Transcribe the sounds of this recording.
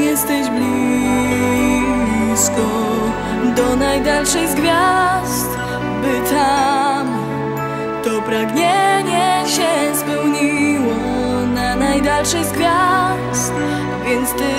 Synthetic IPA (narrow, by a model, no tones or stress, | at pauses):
jɛst̪ɛʑblʲi | bliskɔ | d̪ɔnajd̪alʂɛɣzɡvʲjast̪ | bɨt̪am | t̪ɔpɾaɡɲɛɲɛɕɛspɛwɲiwɔ | nanajd̪alʂɛɣzɡvʲja | st̪ | vʲjɛnt̪st̪ɨ